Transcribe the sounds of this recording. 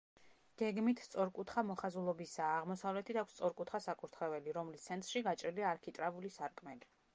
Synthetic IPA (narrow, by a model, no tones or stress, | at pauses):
ɡ̥ɛɡmit̪ʰst̪sʼɔɾkʼut̪ʰχamɔχazulˠɔbisaːʁmɔsavlɛt̪ʰid̪ʰakʰst̪sʼɔɾkʼut̪ʰχasakʼuɾt̪ʰχɛvɛliɾɔmlist̪sʰɛnt̪ʼɾʃiɡat͡ʃʼɾiliaːɾkʰit̪ʼɾavulisaɾkʼmɛli